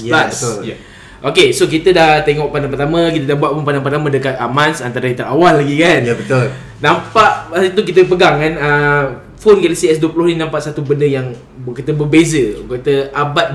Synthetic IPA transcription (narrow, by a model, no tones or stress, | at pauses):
jlaso | ʔokesokit̪ədaht̪eŋɔʔpadaŋpərt̪amə̃kit̪ədahbuaʔ̚punpadaŋpərt̪amãdəkat̪̚amãnsant̪aɾəit̪əɾawalːaɡikanjabət̪ol | nãmpaʔpasit̪̬uk̬it̪əpəɡaŋkanə | fonkaləsiɛsduəpəlʊhninãmpaʔsat̪ubəndəjaŋ | kit̪əbəbezəkət̪əʔabat̪̚